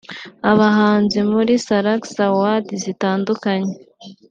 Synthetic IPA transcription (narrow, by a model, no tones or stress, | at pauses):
aβaɦaːnzimuɾisaɾaksawadizitaːndukaɲe